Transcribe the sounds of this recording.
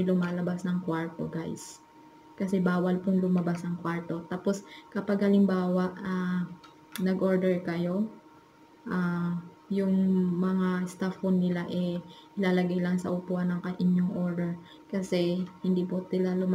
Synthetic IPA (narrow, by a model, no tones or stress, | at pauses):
lʊmaːlɐbasnɐŋkwaɹt̪o̰ɡajs | kɐsɛbaːwɐlpʊŋlʊmɐbasɐŋkwaɹt̪o̞t̪aːpo̞skɐpɐɡhɐlɪmbaːwɐʔaː | nɐɡʔoɹd̪ɛɹkɐjo̞ | ʔa | jʊŋmɐŋast̪afonːɪlaʔɛʔɪlaːlɐɡajlɐŋsɐ̰ʔʊpoʔɐnɐŋkɐʔɪɲoŋʔoɹd̪ɛɹ | kɐsɛhɪnd̪iːpʊsɪlalʊm